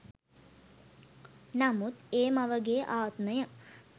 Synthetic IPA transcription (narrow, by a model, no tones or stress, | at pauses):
namut̪eːmaʋəɡeːʔaːt̪məjə